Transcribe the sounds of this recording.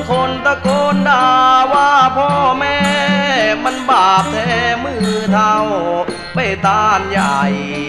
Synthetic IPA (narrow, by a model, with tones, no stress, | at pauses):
kʰo˧nt̪a˧koː˧ndaː˧waː˧˥pʰɔ˧˩mɛː˧˥ | ma˧˥˨nbaː˨˩p̚t̪ʰɛː˧mɯː˧˩˧t̪ʰaː˧ŋo˨˩ | pa˧˩jt̪aː˧˩nja˨˩j